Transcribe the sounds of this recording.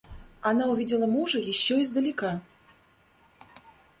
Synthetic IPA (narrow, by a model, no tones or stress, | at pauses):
anawvʲid͡zʲɛlˠɐmuʐɨjiɕʲːɔjzd̪ɐlʲika